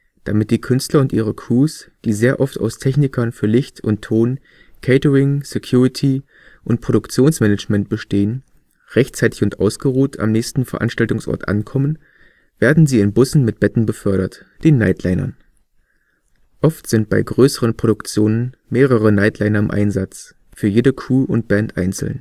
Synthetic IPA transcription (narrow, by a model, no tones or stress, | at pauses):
d̥amɪt̚d̥iːkʰʏnstlɐʊntʔiːʁ̞əkʰuːsd̥iːzeːɐʔɔfta̰ʊstʰɛçnɪkʰɐnfyːɐlɪçtʰʊntʰːoːn | kʰɛɪtəʁɪŋsekʰj̥uːʁɪtʰi | ʔʊnt̚pʁ̥oɾʊkt͡sjoːnsmɛnəd͡ʒmɛnt̚b̥əʃteːən | ʁɛçtt͡saɪtɪçʊntʔa̰ʊsɡ̥əʁuːtʰa̰mnɛːçstn̩fɛɐʔa̰nʃtaltʊŋsʔɔ̰ɐtʔa̰nkʰɔmən | v̥eːɐdn̩ziːɪnbʊsn̩mɪt̚b̥ɛtn̩bəfœɐɾɐt | d̥eːnːa̰ɪtʰlaɪnɐ̰n | ʔɔftz̥ɪnt̚b̥a̰ɪɡʁøːsəʁ̞ənpʁ̥oɾʊkt͡sjoːnənmeːʁ̞əʁ̞ənaɪtʰlaɪnɐɪmʔa̰ɪnzat͡s | fyːɐjeːdəkʰuːʊ̰nt̚b̥ɛntʔa̰ɪnt͡sl̩n̩